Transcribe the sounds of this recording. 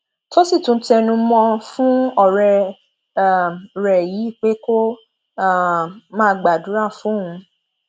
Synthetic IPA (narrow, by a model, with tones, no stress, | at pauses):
to˦si˦˨tũ˨˦n̩˦tɛ˧nũ˧˦mɔ̃˧fũ˦ɔ˦˨ɾɛ˧˨ | ɾɛ˨ji˨˦i˦˨k͡pe˨˦ko˦ | a˦˨mãː˦˧ɡ͡ba˨du˨˦ɾa˦˨fũ˨˦˨ɦũ˧